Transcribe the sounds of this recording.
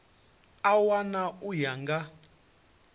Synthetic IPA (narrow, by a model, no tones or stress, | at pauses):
awanaujaŋɡa